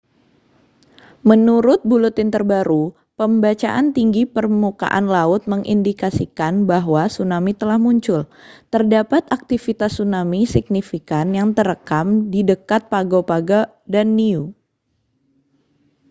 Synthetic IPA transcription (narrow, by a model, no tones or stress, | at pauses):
mənuɾʊt̪̚bulut̪ɪnt̪ərbaɾu | pəmbat͡ʃa̰ʔant̪iŋɡipərmuka̰ʔa̰nlaʊt̪̚məŋʔḭndikasikanbaɦwasunamit̪əlahmuɲt͡ʃʊlt̪ərdapat̪ak̚t̪ifit̪asːunamisik̚nifikanjaŋt̪əɾəkamdidəkat̪̚paɡopaɡa | danːiu